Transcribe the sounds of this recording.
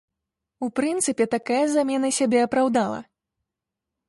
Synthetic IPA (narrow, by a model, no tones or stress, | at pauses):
upɾɨnt̪sɨpʲɛt̪akajɐzamʲɛnɐsʲabʲɛɐpɾawd̪alˠɐ̰